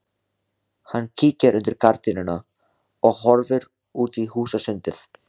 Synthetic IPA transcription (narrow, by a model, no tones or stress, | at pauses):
hanːcʰiːcaɾʔʏnt̪ɪɾkʰaɾt̪ɪnɪna | ɔɣɦɔɾvʏɾ | uːt̪ihuːsasʏnt̪ɪθ